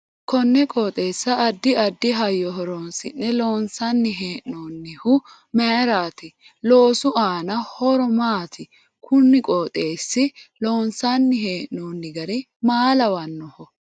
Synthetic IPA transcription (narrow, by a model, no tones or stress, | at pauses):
kɔnːɛkʼoːt̪ʼe̞ːsːɐːd̪ːɪɐd̪ːɪɦɐjːɔɦɔɾonsɪ̰nːɛlo̞ːnsɐnːɪɦe̞ːʔnoːnːɪhʊ | mɛɾaːt̪ɪ | loːsʊʔaːnɐhɔɾɔmaːt̪ʰɪ | kʰʊnːɪkʼoːt̪ʼe̞ːsːɪlo̞ːnsɐnːɪɦe̞ːʔnoːnːɪɡɐɾɛ | maːlɐwɐnːɔhɔ